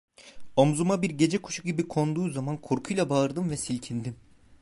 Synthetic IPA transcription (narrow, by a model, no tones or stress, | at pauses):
o̞mzumabiɾɟe̞d͡ʒɛkʰu̥ʃuɟibikʰo̞nd̪uːzamankʰoɾkʰujlˠabaɯɾd̪ɯmvɛsilʲcʰind̪im